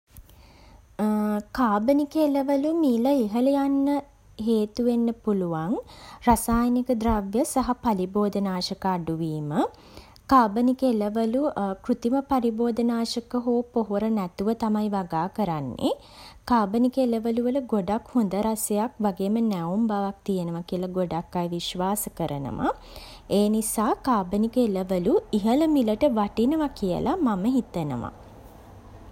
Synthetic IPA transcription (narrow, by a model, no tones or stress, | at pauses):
kaːbənikəeləʋəlumiːləiɦəlejanːə | ɦeːt̪uʋenːəpuluʋaŋrasaːjənikəd̪ɾaʋjəsaɦapaliboːd̪ənaːʃəkaːɖuʋiːmə | kaːbənikeləʋəlukrut̪iməpaɾiboːd̪ənaːʃəkəɦoːpoɦuɾənæt̪uʋət̪amajʋaɡaːkəɾanːḛ | kaːbənikəeləʋəluʋəluɡoɖakhond̪əɾasejakʋaɡeːmənæumbaʋak̚t̪ijənəʋakiəlaɡoɖakːajʋiʃʋaːsəkəɾənə̰ʋa̰ | eːnisaːkaːbənikəeləʋəluiɦələmiləʈəʋaʈinəʋakijə̰lʔamaməɦit̪ənə̰ʋa̰